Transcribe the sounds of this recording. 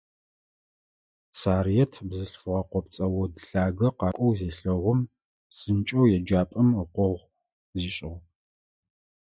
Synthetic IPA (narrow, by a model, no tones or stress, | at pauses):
saːrijɛtʰbzɨɬfɨʁɐqʷɔp̚t͡sʼɐwɔdɬaːɡɐqɑːkʷʼɔwzeːɬɐʁʷʊm | sʼɨnt͡ʃʼɐwjɛd͡ʒaːpʼɐməqʷɔʁʷ | ziːɕʼɪʁ